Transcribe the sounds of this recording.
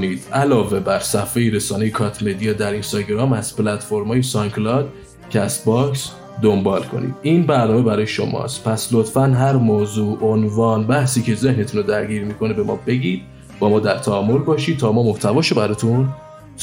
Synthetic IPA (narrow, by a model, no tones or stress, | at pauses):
niːd̪̥ʔælɒːve̞bæɾsæfejiɾe̞sɒːne̞jekʰɒt̪ʰme̞d̪ijɒːd̪æɾinst̪ɒɟeɾɒːmæz̥plæt̪fo̞ɾmhɒːjesɒŋkʰlɒd̪ | cʰeæst̪̚bɒks | d̪o̞mbɒːlkʰo̞̰nḭd̪̥iːnbæɾnɒːmebæɾɒːjeʃo̞̰mɒ̰ːst̪pʰæslot̪fænɦæɾmoːzuːʔonvɒːnbæhsiːcʰe̞ze̞hnet̪ʰuːnod̪æɾɟiːɾmiːkʰo̞nebe̞mɒ̰ːbe̞ɟiːd̪̥̚ | b̥ɒːmɒːd̪æɾt̪ʰæːmːoɾbɒːʃiːd̪̚t̪ʰɒːmɒːmoht̪ʰævɒːʃobæɾɒːt̪ʰunʰ